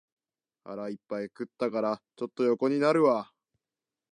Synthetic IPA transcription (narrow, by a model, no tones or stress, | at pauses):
ha̰ɾaipːaikɯ̟t̪ːakaɾat͡ɕo̞t̪ːo̞jo̞ko̞ɲ̟inaɾɯ̟βa